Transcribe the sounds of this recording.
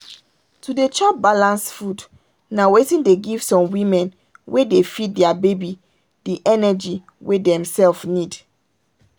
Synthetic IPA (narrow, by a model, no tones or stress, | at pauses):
tʰudet͡ʃɔp̚balãnsfud | nawetĩndeɡiv̥sɔ̃mwĩmɛ̃n | wʔedefit̚dɛabebi | diʔɛnɛd͡ʒi | wedɛ̃msɛlfnid